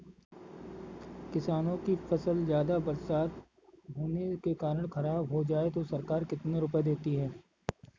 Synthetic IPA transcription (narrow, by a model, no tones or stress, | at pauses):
kɪsaːnõkifɐsəlzjaːd̪abɐɾsaːt̪ | bʱuːnekekaːɾəɽ̃xɐɾaːbɦod͡ʒaːet̪osɐɾkaːɾkɪt̪neɾʊp̬ed̪eːt̪iɦɛː